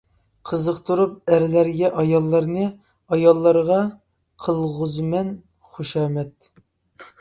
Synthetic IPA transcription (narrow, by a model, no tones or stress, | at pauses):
qʰəzəqt̪ʰuɾup̚æɾlæɾɡʲɛʔɑjɑlˠːɑɾnɨ | ɑjɑlˠːɑɾʁɑ | qʰəlˠʁʊzmɛn | χoʃɑːmɛt̪̚